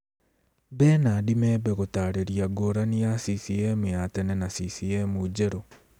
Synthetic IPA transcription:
bɛnaːdimɛːbɛɣotaːɾeɾiaɡoɾanijasisiɛmujatɛnɛnasisiɛmud͡ʑɛɾo

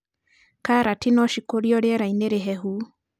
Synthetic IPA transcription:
kaɾatinɔʃikoɾjɔɾeɛɾaineɾeɦɛɦu

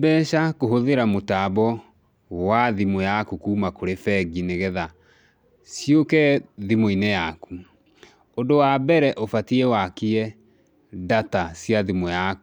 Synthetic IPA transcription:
bɛːʃakoɦoðeɾamotabɔ | waðimojakukuːmakoɾefɛɡineɣɛða | sjokɛðimoinejaku | ondowabɛɾɛʔofatiɛwakiɛ | datasjaðimojak

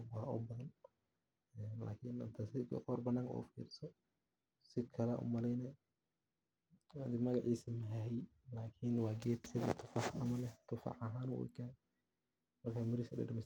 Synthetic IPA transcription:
wɑːʔɔ̰bɐðɐn | ɛnla̰ːkʰɪnɐ̰nt̪ʰɐsɪɡ̰ɔrbɐnaːŋkʰɔ̰ːfḭːɾɪsɔ | sɪkʰɐlɛʔʊ̰mɐlɛjnɛ | wad̪ɪmɐɣɑʕiːsɐmɐɦɛɦɛjlaːkʰɪnwɑːɡɛːt̪sɪðɐ̰t̪ʰʊ̥fɑħɐmɐlɛt̪ʰʊfɑ̰ʕɐɦaːnʊʔṵkʰaː | mɐrkʰaːmɐɾiːsɐdɛ̰ɖɐmɛs

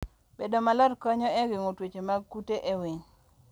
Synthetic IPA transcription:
b̥edomalɔdkɔɲɔɛɡiŋotwet͡ʃemakuteʔewiŋ

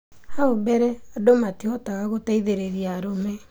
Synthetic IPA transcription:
haobɛɾɛadomatiɔtaɣaɣotaiðeɾeɾiaɾomɛ

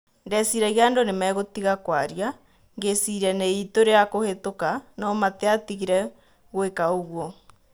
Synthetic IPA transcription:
ndɛsiɾɛɣeandonemɛːɣotiɣakwaɾia | ŋɡesiɾaneitoɾeakohetokanɔmateatiɣiɾɛ | ɣwekaoɣwɔ

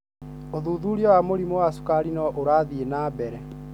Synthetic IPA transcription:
oðuːðuɾjɔwamoɾimowasu̥kaɾinɔʔoɾaːðienaːbɛɾɛ

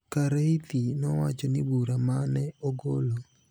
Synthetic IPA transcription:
kaɾait̪inɔwat͡ʃɔnɪbuɾamanɛoɡolo

